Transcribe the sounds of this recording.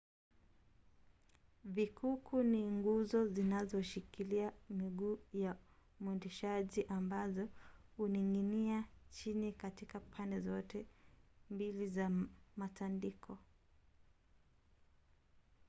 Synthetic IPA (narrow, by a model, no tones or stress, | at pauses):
vikʰukʰuniŋɡuzɔzinazɔʃikʰiliamiɠuːja | mwɛndɛʃaʄiʔambazɔhuniŋɡiniat͡ʃinikatikapʰandɛzɔtɛmbilizamatandikʰɔ